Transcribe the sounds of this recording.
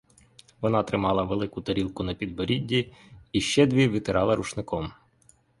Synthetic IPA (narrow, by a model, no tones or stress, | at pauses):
ʋɔnɑt̪ɾɪmɑlˠɐʋelˠɪkʊt̪ɔɾʲilˠkʊnɐpʲid̪̚bɔɾʲidʲːiiʃt͡ʃɛd̪ʲʋʲiʋʲɪt̪ɪɾɑlˠɐɾuʃnɪkɔm